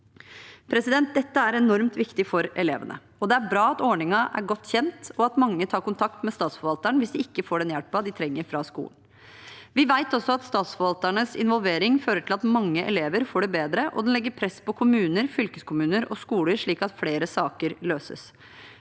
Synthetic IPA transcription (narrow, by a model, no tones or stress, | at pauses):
pʰɾɛsɪd̪ɛnt̪̚d̪ɛt̪ːəæɾɛnɔɾmt̪ʋɪkt̪ɪfɔɾɛleːʋə̰nʔə̰ | ɔd̪ɛæɾbɾɑːɑt̪ɔːɳɪŋɑʔæ̰ɾɡɔt̪ːçɛnt̪ɔɑt̪mɑŋːət̪ʰɑːɾkʊnt̪ʰɑk̚t̪mɛst̪ɑːt̪sfɔʋɑlt̪əɳʋɪsd̪ɪɪkːəfoːɖɛnjælpɑd̪ɪt̪ʰɾɛŋːəɾfɾɑskṵːlən | ʋɪʋæɪt̪ɔsːɔɑt̪st̪ɑːt̪sfɔɾʋɑlt̪əɳəsɪ̰nʋɔlʋeːɾɪŋføːɾəʈʰɪlɑt̪mɑŋːəʔɛ̰leːʋəɾfoːɖɛbeːd̪ɾəʔɔ̰d̪ɛnlɛɡːəɾpʰɾɛspɔkʰʊmʉːnəɾfʏlkəskʊmʉːnəɾɔskuːləɾʂɭiːkɑt̪fleːɾəsɑːkəɾløːsə̰s